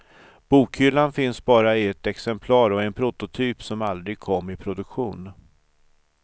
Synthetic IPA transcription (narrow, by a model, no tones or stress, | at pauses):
b̥uːkhʏlːanfɪnsbɑːɾaɪɛt̪ɛksɛmpʰlɑːɾɔɛnpʰɾʊt̪ʊt̪ʰyːpsɔmald̪ɾɪɡ̚kʰɔmːɪpʰɾʊd̪ɵkɧuːn